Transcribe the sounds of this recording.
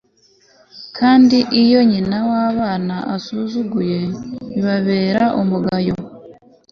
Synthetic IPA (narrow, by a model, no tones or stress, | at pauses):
kʰaːndiʔijo̞ɲinawaːβaːnaʔasuzuɡuje̞iβaβe̞ːɾaʔumuɡajo̞